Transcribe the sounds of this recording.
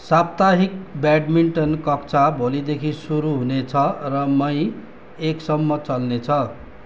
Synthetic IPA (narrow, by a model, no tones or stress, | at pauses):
sab̚t̪aɦik̚baɖmiɳʈʌnkʌkt͡sʰabʱolid̪ekʰisuɾuɦunet͡sʰʌrʌmʌj̃ | eksʌmːʌt͡sʌlnet͡sʰʌ